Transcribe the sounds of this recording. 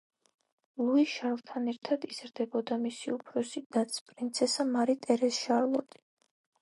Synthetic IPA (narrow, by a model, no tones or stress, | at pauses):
lˠuiʃaɾvt̪ʰanɛɾt̪ʰad̪iz̥ɾd̪ɛbɔd̪amisiupʰɾɔsid̪at̪sʰpʼɾint̪sʰɛsamaɾit̪ʼɛɾɛsʃaɾlˠɔt̪ʼi̥